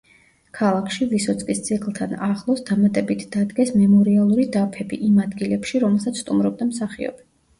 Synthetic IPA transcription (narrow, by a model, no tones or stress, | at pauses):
kʰalˠakʰʃivisɔt̪sʼkʼist̪sʰikʼlˠt̪ʰanaχlˠɔsd̪amat̪ʼɛbit̪ʰd̪̥ad̪ɡɛsmɛmɔɾialˠuɾid̪apʰɛbḭʔimad̪ɡilɛpʃiɾɔmɛlˠsat̪sʰst̪ʼumɾɔb̚d̪amsaχḭɔ̰bɛ